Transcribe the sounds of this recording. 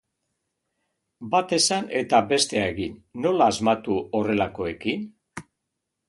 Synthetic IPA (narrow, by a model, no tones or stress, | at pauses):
bat̪e̞sane̞t̪abe̞st̪e̞aeɣinːo̞laːzmat̪uo̞re̞lako̞e̞kin